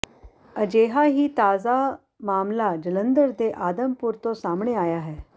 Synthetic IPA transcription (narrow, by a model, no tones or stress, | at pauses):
əd͡ʒeːɦaːɦiːt̪aːzaː | maːmlaːd͡ʒələ̃nd̪əɾd̪eːʔaːd̪əmpʊɾt̪õsaːmɳeaːjaːɦɛː